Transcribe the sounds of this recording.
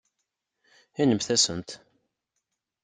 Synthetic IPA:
inəmθæsənt̪

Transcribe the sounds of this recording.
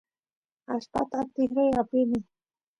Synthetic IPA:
aʃpa̰t̪at̪ɪxɾajapɪnɪ

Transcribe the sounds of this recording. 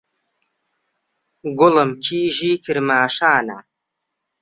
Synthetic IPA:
ɡʊlɐmkʰiːʒiːkʰɨɾmaːʂaːna̰ː

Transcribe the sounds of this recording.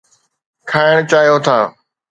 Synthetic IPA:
kʰaːɪɽ̃t͡ɕaːɦijot̪ʰaː

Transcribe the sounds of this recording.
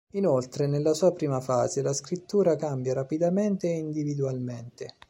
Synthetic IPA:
inolt̪ɾenelːasuːapɾiːmafaːzelaskɾit̪ːuːɾakambjaɾapid̪ament̪eind̪ivid̪ualment̪e

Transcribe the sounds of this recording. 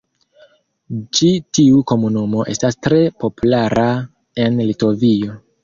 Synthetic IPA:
t͡ʃitiuko̞munumo̞ʔe̞stastɾe̞po̞pulaɾʔa | e̞nlito̞vio̞

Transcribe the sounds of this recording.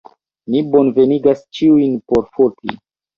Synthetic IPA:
nibo̞nve̞niɡast͡ʃiujnpo̞ɾfoɾti

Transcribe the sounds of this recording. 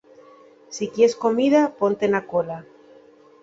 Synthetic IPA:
sikjesko̞miðapo̞nt̪enakola

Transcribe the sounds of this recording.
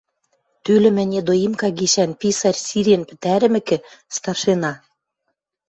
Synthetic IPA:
t̪ylɘ̆mɘ̆nʲed̪oimkɑɡiʃænpisɑrʲsiɾʲenpɘ̆t̪æɾɘ̆mɘ̆kɘ̆st̪ɑrʃenɑ

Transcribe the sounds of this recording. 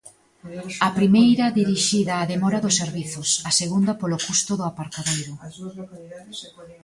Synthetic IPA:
ɐpɾimejɾɐðiɾiʃiðɐːðemɔɾɐðʊsːeɾβiθʊsɐseɣund̪ɐpolokust̪ʊðʊapaɾt̪aðejɾʊ

